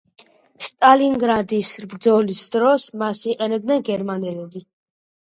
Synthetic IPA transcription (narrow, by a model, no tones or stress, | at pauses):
st̪ʼaliŋɡɾad̪isɾbɾd̪zɔlisd̪ɾɔsmasiqʼɛnɛb̚d̪nɛnɡɛɾmanɛlɛbi